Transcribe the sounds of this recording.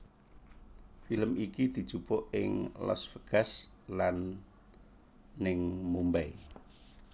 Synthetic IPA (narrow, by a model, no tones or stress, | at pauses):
filəmikid̪̥i̤̥ʒ̥ṳpɔʔɪŋlɔ̰sfəɡ̥as | lan | ɪŋmumbɛi